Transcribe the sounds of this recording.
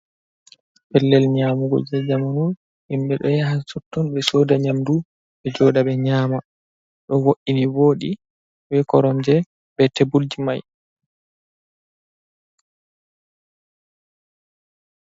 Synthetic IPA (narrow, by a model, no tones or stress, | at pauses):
pɛlːɛlɲaːmuɡɔ̰d͡ʒɛd͡ʒamanun | himɓɛɗɔjaɦasɔtːɔnɓɛsɔːdaɲamdu | ɓɛd͡ʒɔdaɓɛɲaːma | ɗɔwoʔːiniwoːɗi | wɛkɔɾɔnd͡ʒɛ | bɛtebuld͡ʒima̰j